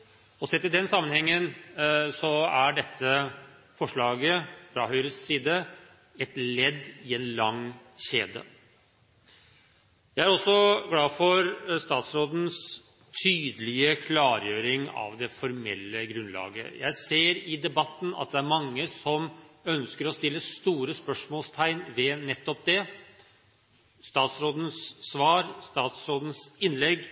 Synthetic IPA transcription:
ɔsɛt̪ɪd̪ɛnsɑmːənhɛŋːənsɔæɖɛt̪ʰːə | fɔʂɭɑːɡəfɾɑɦœʏɾəssiːd̪ə | ɛt̪lɛd̪ːɪɛnlɑŋɕeːd̪ə̰ | jæɪæɾɔsːɔɡɽɑːfɔɾst̪ɑːt̪sɾoːd̪n̩s | t̪ʰyːd̪əlɪəkʰlɑːɾjøːɾɪŋɑ̰ʋd̪ɛfɔɾmɛ̰lːəɡɾʉnlɑ̰ːɡə̰jæ̰ɪseːɾɪd̪ɛbɑt̪ːn̩ɑ̰t̪̚d̪ɛæɾmɑŋːəsɔmœnskəɾɔst̪ɪlːəst̪uːɾəspœʂmoːlst̪ʰæɪnʋɛnɛt̪ːɔp̚d̪ɛ | st̪ɑːt̪sɾoːd̪n̩sːʋɑːɾst̪ɑːt̪sɾoːd̪n̩sɪnlɛɡ

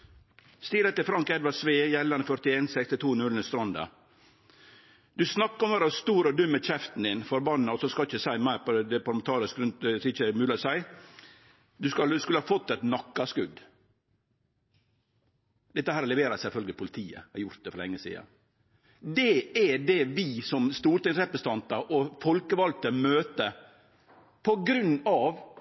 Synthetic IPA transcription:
st̪ɪɾət̪ɪfɾɑŋkɛd̪ʋɑsʋeːjɛlːɑɾnəfœɾt̪ɪeːnsɛkst̪ɪt̪ʰuːnʉlnəst̪ɾɑnd̪ɑ̰ | d̪̥ʉsnɑkːɔmʋɑɾɑst̪uːɾɔd̪ʉmːəc͡çɛft̪n̩d̪ɪnfɔɾbɑnːɔsɔskɑlɪçəsæɪmæɪɾpɔd̪ɛpʰɑɾmɛnt̪ʰɑːɾɪskɾʉnt̪̚d̪ɛsɔɪçəmʉːlɪɔsæɪ | d̪ʉskɑskʉləhɑfɔt̪ːɛt̪nɑkːɑskʉd̪ | d̪ɛt̪ːəhæːɾlɛʋeːɾɑsɛlfœlɡəlɪpʰʊlɪt̪ʰiːə̰æɾjʊɾt̪̚d̪ɛfɾɔlɛ̰ŋːəsḭːɑ̰ | d̪ɛɛd̪ɛʋɪsɔmst̪uːɾʈ̪ɪŋsɾɛpɾəsət̪ɑnt̪ɑɾʔɔfɔlkəʋɑlt̪əmøːt̪ə | pʰɔɡɾʉnːɑʋ

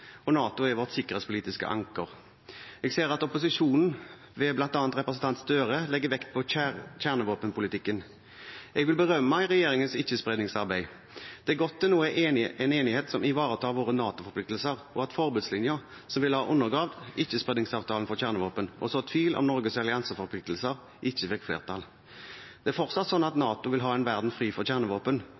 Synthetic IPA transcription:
ɔnɑːt̪ʊɛɾʋɔʁt̪sɪkːəʁeːtspʰʊliːt̪ɪskə̰ʔɑ̰ŋkəʁ | ɛɡseːʁɑt̪ɔpʊsɪʂuːnn̩ | ʋɛblɑnt̪ɑːnt̪ɾɛpɾəsən̩t̪ʰɑnt̪sd̪øːʁəlɛɡːəʋɛkt̪̚pʰɔçæʁnəʋoːpənpʰʊlɪt̪ɪkːən | ɛɡʋɪlbəʁœmːəmæɪʁɛjeːɾɪŋənsɪçːəspʁɛd̪nɪŋsɑʁbæɪ | d̪̥ɛæɡɔt̪ːɪnuːəʔɛneːnɪheːt̪sɔmɪʋɑːʁət̪ʰɑːʋoːʁənɑːt̪ʊfɔʁpʰlɪk̚t̪l̩səʁɔɑt̪fɔʁbʉd̪slɪnjʊʁ | sɔmʋɪləhɑːʔʊnːəʁɡʁɑːʋd̪ɪçːəspʁɛd̪nɪŋsɑːʋt̪ʰɑːln̩fɔʁçæʁnəʋoːpənʔɔ̰sɔt̪ʰʋiːlʔɔ̰mnɔʁɡəsɑlɪɑnsəfɔʁpʰlɪk̚t̪əl̩səʁ | ʔɪçːəfɪkːflḛːʁt̪ʰɑl | d̪̥ɛæfɔʁt̪sɑt̪sɔnːɑt̪nɑːt̪ʊʋɪlɦɑːɛnʋæʁd̪n̩fʁiːfɔʁçæʁnəʋoːpən

